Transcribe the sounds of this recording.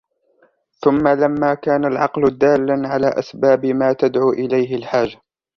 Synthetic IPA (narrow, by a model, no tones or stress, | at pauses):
θʊmːalamːaːkaːnalʕɑqlʊd̪aːlːanʕala̰ːʔasbaːbɪmaːt̪ad̪ʕuːʔɪlajɦɪlħaːd͡ʒa